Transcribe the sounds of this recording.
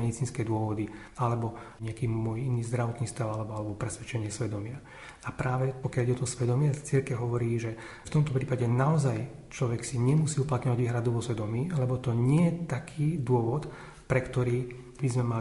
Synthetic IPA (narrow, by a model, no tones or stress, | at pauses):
mɛd̪it͡siːnskɛːd̪ʊɔʋɔd̪i | alɛbɔɲɛakiːmɔjiniːzd̪ɾaʋɔt̪niːst̪aʊalɛbɔalɛbɔpɾɛsʋɛt͡ʃɛɲɪɛsʋɛd̪ɔmɪa | apɾaːʋɛpɔkjaliɟɛɔt̪ɔsʋɛd̪ɔmɪat͡siɾkɛʊɦɔʋɔɾiːʒɛft̪ɔmt̪ɔpɾiːpaɟɛnaɔzaj | t͡ʃlɔʋɛksiɲɛmusiːuplat̪ɲɔʋaɟʋiːɦɾad̪uʋɔsʋɛd̪ɔmiːlɛbɔt̪ɔɲɪɛjɛt̪akʰiːd̪ʊɔʋɔt̪ | pɾɛkt̪ɔɾiː | bizmɛmal